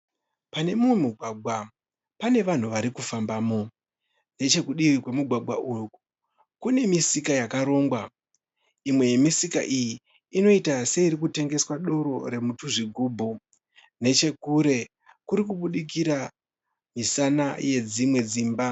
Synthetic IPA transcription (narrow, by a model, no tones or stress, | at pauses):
pane̞muwemuɡʱwaɡʱwa | pane̞ʋan̤uʋaɾikufambaːmo̞ | ne̞t͡ʃe̞kuɗiʋikwe̞muɡʱwaɡʱwaʔuku̥ | kune̞misikajakaɾo̞ːŋɡwa | imwe̞je̞misika̰ʔijiː | no̞itase̞iɾikute̞ŋɡe̞swaɗo̞ɾo̞ɾe̞mutuʐiɡʱuːbʱo | ne̞t͡ʃe̞kuɾe̞ | kuɾik̬uɓuɗik̬iɾa | misanaje̞d͡zimwe̞d͡ziːmba